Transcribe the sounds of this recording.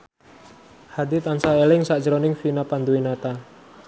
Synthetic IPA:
had̪it̪ansaelɪŋsḁd͡ʒɾɔnɪŋfinapand̪uinat̪a

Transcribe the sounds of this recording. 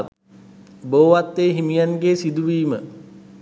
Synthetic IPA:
boːʋat̪ːeːɦimijanɡeːsid̪uʋiːmə

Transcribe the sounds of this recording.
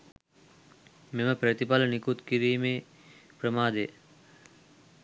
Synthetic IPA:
meməpɾət̪ipalənikut̪kiɾiːmeː | prəmaːd̪e

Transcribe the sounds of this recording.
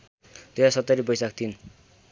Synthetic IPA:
t̪ejasʌt̪ːʌɾibʌjsakt̪ʰin

